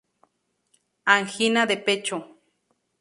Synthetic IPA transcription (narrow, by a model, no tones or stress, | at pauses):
aŋxinad̪epet͡ʃo